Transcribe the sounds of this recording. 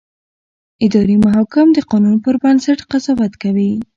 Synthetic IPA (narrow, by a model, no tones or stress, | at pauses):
ɪd̪ɑɾimaɦɑkɪmd̪əqɑnunpəɾbansaʈqazɑwat̪kawi